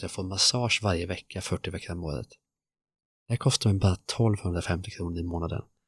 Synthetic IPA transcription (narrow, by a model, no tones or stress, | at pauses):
jafoːɾmasɑːʂvaɾjəvɛkʰːafœʈːɪvɛkʰːaɾɔmo̰ːɾə̰t̪ | d̪̥ɛhæɾkʰɔst̪aɾmɛnbɑːɾat̪ʰɔlvhɵnd̪ɾafɛmt̪ɪkʰɾuːnəɾɪmoːnad̪ə̰n